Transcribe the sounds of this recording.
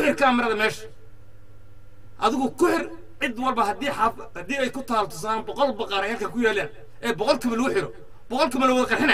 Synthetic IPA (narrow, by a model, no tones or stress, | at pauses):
kʊħɪrkʰamɐɾɐðɐmɛːʃɐ̥ | ʔɐðɪɣʊkʰʊħɪr | ʕɪd̪wɐlbɐɦɐd̪iħaf | hɐd̪iːɛjkʰʊt̪ʰaːlt̪ʰʊs̬aaːnbɔqɔlbɑqɑːɾɐhɐlkʰɐkʰʊjaːlɛːn | ʔɛːbɔqɔlkʰɪβɐlɐɣʊħɪɾɔ | b̥ɔqɔlkɪbɐlɐwɐðɐqɑrħɪnɐ